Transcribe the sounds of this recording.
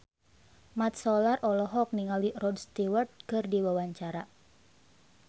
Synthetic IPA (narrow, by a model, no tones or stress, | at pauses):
mat̪̚sɔlarʔɔlɔɦɔk̚niŋalirɔdst̪iwərt̪̚kɨrdiwawaɲt͡ʃaɾa